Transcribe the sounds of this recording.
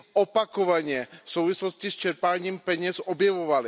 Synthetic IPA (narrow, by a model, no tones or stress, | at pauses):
ʔopakovaɲɛfsowvɪslo̞scɪst͡ʃɛɾpaːɲiːmpɛɲɛsʔobjɛvovalɪ